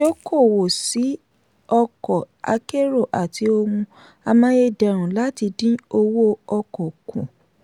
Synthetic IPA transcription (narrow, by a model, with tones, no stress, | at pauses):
o˦ko˦˨wo˨si˨˦ | ɔ˧kɔ˨ | a̰˧ke˦ɾo˦˨ʔa˨tʰi˧˦o˧mũ˧ | a˧mã˧˦e˧dɛ˨ɾ̃ũ˨la˦ti˧dĩ˦o˧wo˦ɔ˧kɔ˨kʰṵ̃˨